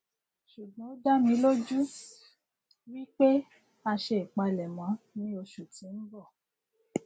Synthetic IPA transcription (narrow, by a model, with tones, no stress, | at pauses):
ʃu˨ɡ͡bã˨˦o˦da˦mĩ˧˦lo˦d͡ʒu˦ | wi˦k͡pe˦ | a˧ʃe˧i˨k͡pa˧lɛ˨mã˨˦nĩ˦o˧ʃu˨tĩ˨˦n̩˦bɔ˦˨